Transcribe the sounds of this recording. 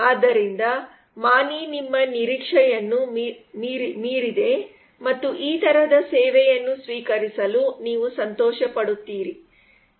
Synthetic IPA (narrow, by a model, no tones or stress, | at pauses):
aːd̪ːɐɾind̪ɐ | maːninimːɐniɾikʂɛjɐnːumɾimiːɾid̪e̞ | mɐt̪ːuʔiːt̪ɐɾɐd̪ɐsɛːʋɛjɐnːusʋiːkɐɾisɐluniːʋusɐnt̪ɔːʃɐpɐɽut̪ːiːɾi